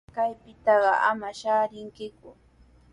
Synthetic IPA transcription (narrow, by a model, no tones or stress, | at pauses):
kajpɪt̪ɑɢɑʔa̰maʃaːɾɪŋkɪkʊ